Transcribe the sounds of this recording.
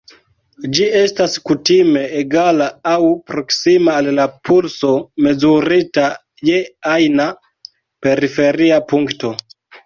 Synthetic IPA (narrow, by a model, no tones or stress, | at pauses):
d͡ʒie̞staskutime̞ːɡalaawpɾo̞ksimaːllapʰulso̞me̞zuɾita | je̞ajna | pe̞ɾife̞ɾiapuŋkto̞